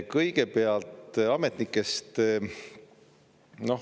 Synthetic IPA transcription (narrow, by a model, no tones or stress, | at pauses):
kɤjɡe̞peɑlt̪ɑme̞t̪nikːˑe̞st̪ | no̞